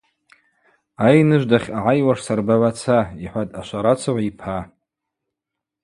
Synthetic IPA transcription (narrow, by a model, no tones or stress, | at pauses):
ajnɨʒʷdaχʲaʕajwaʂsarbaʕʷat͡sʰaiħʷatʼaʃʷaɾat͡sʰaʕʷaipʰa